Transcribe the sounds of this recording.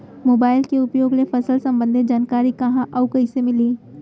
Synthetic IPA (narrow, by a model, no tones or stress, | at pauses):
moːbaːɪlkeʊpjoːɡlefɐsəlsɐ̃mbə̃nd̪ʱed͡ʒaːnkaːɾikɐɦãʔɐʊkɐɪsemɪliː